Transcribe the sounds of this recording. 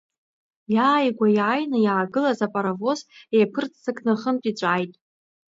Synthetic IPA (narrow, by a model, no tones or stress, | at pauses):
jaːjɡʷajʕajnɨjaːɡɨlazapʼaɾavo̞zejpʰɨrt͡sʰsɨkʰʼnɨχəntʼit͡ɕʷʼajtʼ